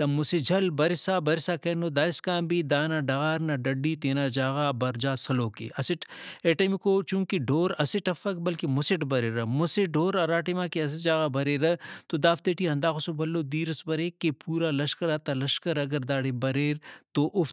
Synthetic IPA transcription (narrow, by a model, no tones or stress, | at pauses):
t̪ɐmʊsid͡ʒʱɐlbɐɾisaːbɐɾɪsaːkɐːnoːd̪aːiskãːmbid̪aːnaɖɐɣaːɾnɐɖɐɖːiːt̪eːnaːd͡ʒaːɣaːbɐɾd͡ʒaːsɐloːkḛʔɐsɪʈeːʈɐmikoːt͡ʃũːkiɖʱoːɾɐsiʈɐfɐkbɐlkimʊsiʈbɐɾeːɾɐmʊsiɖʱoːɾɐɾaːʈimaːkiɐs̬id͡ʒaːɣabɐɾeːɾɐt̪od̪aːft̪eʈiɦɐ̃nd̪aːxʊsobɐlːoːd̪iːɾɐsbɐɾeːkːepuːɾaːlɐʃkɐɾaːt̪ɐlɐʃkɐɾɐɡɐɾd̪aːɽebɐɾeːɾt̪oʔʊf